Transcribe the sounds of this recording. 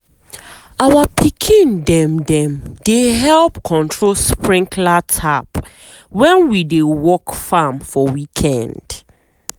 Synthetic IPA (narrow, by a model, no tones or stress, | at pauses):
awapʰikʰĩndɛ̃mdɛ̃mdeɦɛlpkʰɔ̃ntʰɹolspɹĩŋkʰlatʰap | wɛ̃nwidewɔkfamfɔwikʰɛ̃nd̥